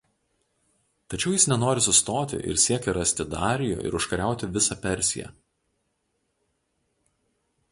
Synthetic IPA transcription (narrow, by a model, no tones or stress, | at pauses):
t̪ɐt͡ʃʲɛʊjɪsnʲɛnoːɾʲɪsʊst̪oːt̪ʲɪ̰ʔɪ̰ɾsʲiɛkʲɛɾɐsʲt̪ʲɪd̪ɑ̰ːɾʲɪjṵːʔɪ̰ɾʊʃkɐɾʲæˑʊt̪ʲɪʋʲɪsɑpʲɛɾʲsʲɪ̰jɛ̰